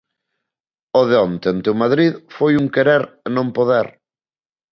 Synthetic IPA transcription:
oðeont̪ent̪ewmaðɾiðfojuŋkeɾeɾnõmpoðɛɾ

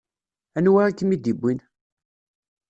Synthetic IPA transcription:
ænwaɾækːəmid̪ibʷːin

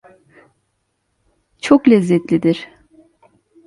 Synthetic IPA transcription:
t͡ʃʰoklʲɛzːɛt̪lʲid̪iɾ̥

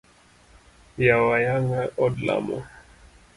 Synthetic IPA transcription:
jawajaŋaʔɔdla̰mɔ̰

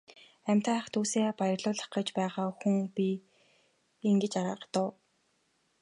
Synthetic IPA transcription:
æm̥ʲt̪ʰaχt̪ʰuːseːpajə̆rɮʊːɮə̆χɢə̆t͡ɕpæːʁaːxuŋpʲi | iŋɡet͡ɕaɾa̰ːɢt̪ʊː

